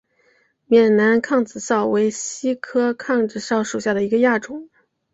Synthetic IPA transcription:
mjɛ˨˩nna˧˥nkʰɑ˥˩ŋt͡sɹ̩˨˩sɑ˥˩ʊwe˧˥ɪɕi˥kʰɤ˥kʰɑ˥˧ŋʈ͡ʂɻ̩˥˩sɑ˥˩ʊʂu˨˩ɕja˥˩d̪ə˩i˧˥ɡə˧ja˥˩ʈ͡ʂʊ˧˥˦ŋ

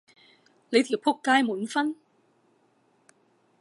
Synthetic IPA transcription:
le˨˧jt̪ʰi˨˩wpʰʊ˥kːaː˥jmuː˨˥nfɐ˥n

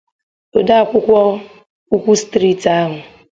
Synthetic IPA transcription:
o˨da˦a˨kʷʊ˦kʷɔ˦ | u˦kʷu˦stɾi˦ta˦ɦʊ˨

